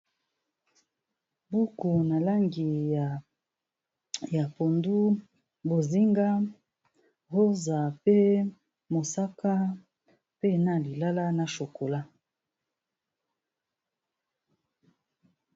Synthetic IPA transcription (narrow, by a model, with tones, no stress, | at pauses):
bu˦ku˨na˨la˦ŋɡi˨ja˨ | ja˨po˨ndu˦ | bo˨zi˦ŋɡa˦ | ho˦za˨pe˦ | mo˨sa˦ka˦ | pe˦na˦li˨la˦la˦na˨ʃo˨ko˨la˦